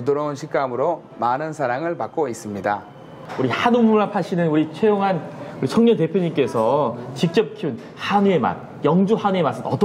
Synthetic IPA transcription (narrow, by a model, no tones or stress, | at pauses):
idoɾʌunɕʰik͈amɯɾo | manɯnsʰaɾaŋɯɭpak͈̚ois͈ɯmɲida | uɾihanumuɭapʰaɕʰinɯnuɾit͡ɕʰejoŋɦankɯt͡ɕʰʌŋɲʌnt̬e̞pʰjoɲink͈e̞sʰʌt͡ɕik̚t͡ɕ͈ʌp̚kʰiun | hanue̞ma̰n | jʌŋd͡ʑuhanue̞mas͈ɯnʌt͈